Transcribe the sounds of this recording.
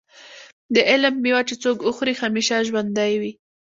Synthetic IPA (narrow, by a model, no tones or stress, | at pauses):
d̪əʔɪlmːiwat͡ʃet͡sokʊxɾixamiʃaʒwand̪ajwi